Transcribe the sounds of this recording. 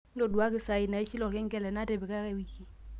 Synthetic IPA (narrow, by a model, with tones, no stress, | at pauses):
ndo˨du˨a˦kɪ˨sa˨i˨na˨ɛ˦t͡ʃi˦lɔ˨kɛ˦ŋɡɛ˦lɛ˨na˦te˨be˨ka˦kɛ˦˨wi˨ki˦